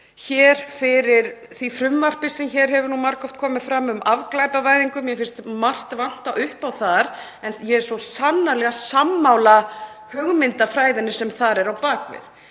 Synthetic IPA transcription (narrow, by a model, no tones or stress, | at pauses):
çɛːɾ̥fɪɾɪɾ̥ | θifɾʏmvar̥pɪsɛmçɛɾ̥ɦɛvʏɾnumaɾkɔwft̪̚kʰɔːmɪfɾamːʏmʔavklaːjpavaːjðiŋkʏmjɛfɪn̥st̪mar̥t̪van̥t̪aʔʏhpawθaɾ | ɛnjɛɛɾsɔsanːalɛɣasamːawla | hœɣmɪnt̪afɾaːjðɪnːɪsɛmθaɾɛɾawpaːkvɪ̰θ